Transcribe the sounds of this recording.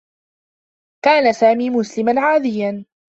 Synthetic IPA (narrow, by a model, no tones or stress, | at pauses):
kaːnasaːmiːmʊslɪmanʕaːd̪ɪjan